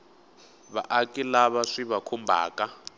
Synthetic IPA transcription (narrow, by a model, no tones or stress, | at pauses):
βa̰ʔakʼilaβaʂiβakʰumbʱa̰ːkʼa